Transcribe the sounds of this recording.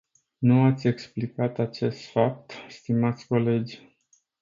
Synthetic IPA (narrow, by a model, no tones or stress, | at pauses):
nuat̪sʲe̞ksplikat̪at͡ʃe̞st̪fap̚t̪st̪imat̪sʲko̞le̞d͡ʒʲ